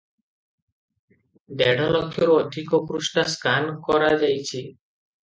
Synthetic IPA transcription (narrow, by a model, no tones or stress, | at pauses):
d̪ɛɽ̤ʱɔlɔkʰːjoɾɔd̪ʱikokɾusʈaskankɔɾad͡ʒajt͡ʃʰi